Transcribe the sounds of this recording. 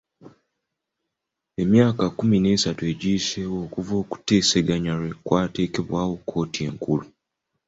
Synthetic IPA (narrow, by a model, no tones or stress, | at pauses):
e̞mjaːkakumine̞ːsatue̞ɟiːse̞wo̞ːkuvo̞ːku̥te̞ːse̞ɡaɲaɾwe̞kwaːte̞ːke̞βwaːwo̞kʰːo̞ːtie̞ŋkulu